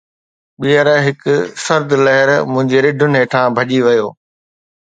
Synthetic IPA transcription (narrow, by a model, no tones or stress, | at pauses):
ɓijəɾɦɪkʊsɐɾd̪lɐɦɪɾmʊ̃ɦɪ̃ɲd͡ʑeɾɪɖʱʊnɪɦeːʈʰãbʱɐʄiʋɐjoː